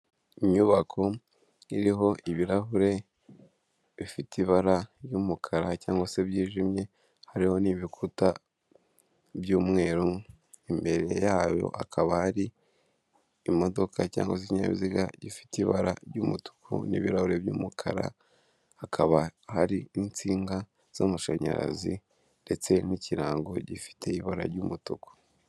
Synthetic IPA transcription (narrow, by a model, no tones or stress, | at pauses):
iɲuβakʰo̞ | iɾiɦo̞ʔiβiɾaɦuɾe̞ | βifitiβaɾajuːmukʰaɾacaːŋɡwose̞βjiːʒimɲe̞ | haɾiho̞niβikʰuta | bjuːmŋe̞ːɾu | imbe̞ɾe̞jaːjo̞̰ʔakʰaβahaɾi | mo̞do̞kʰaca̰ːŋɡosiɲa̰βiziɡaɟifi̥tiβaɾaɾɟumutu̥kʰṵnḭβiɾahuɾe̞bjuːmukʰaɾa̰ | hakʰaβahaɾiːnt͡siːŋɡa | z̥amuʃaɲa̰ɾa̰zi | nde̞t͡se̞nicʰiɾaːŋɡoɟifi̥tʰe̞iβaɾa̰ɾɟumutuku̥